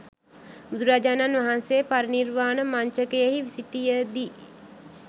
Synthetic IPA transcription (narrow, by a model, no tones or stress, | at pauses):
bud̪uɾaːd͡ʒaːnanʋaɦansejəpaɾənirʋaːnəmaɲt͡ʃəkejeɦiʋisiʈijəd̪i